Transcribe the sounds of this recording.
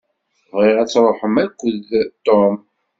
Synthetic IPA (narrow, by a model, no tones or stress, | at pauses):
θvʁeʁæt͡sːɾˤoħəmækʷːəðt̪ːom